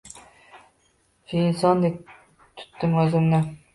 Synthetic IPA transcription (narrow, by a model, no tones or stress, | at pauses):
fiːnsɒnd̪ek̚ʲ | t̪ʰʊ̥t̪ːɪmɵzɪmnɪ